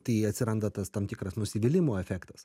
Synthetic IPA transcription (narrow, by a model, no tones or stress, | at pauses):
t̪ɐɪɐtʲsʲɪɾɐnd̪ɐt̪ɐst̪ɐmʲt̪ʲɪkɾɐsnʊsʲɪbʲɪlʲɪmoːɛfʲæːkt̪ɐs